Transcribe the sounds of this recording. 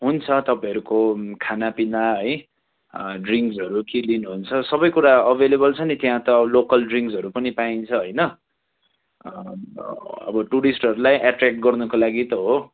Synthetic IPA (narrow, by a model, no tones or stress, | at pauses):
ɦunt͡sʰʌt̪ʌpaĩʌɾukokʰanapinaɦʌj | ɖriŋksʌɾukilinuɦunt͡sʰʌsʌbʌjkuɾaʌbʱelebʌlt͡sʰʌnit̪jãt̪ʌlokʌlɖriŋksɦʌɾupʌnipaint͡sʰʌɦʌjnʌ | ʌ̰bʌʈuɾisʈʌɾulajʔaʈrak̚ʈ̚ɡʌrnʌkolaɡit̪ʌɦo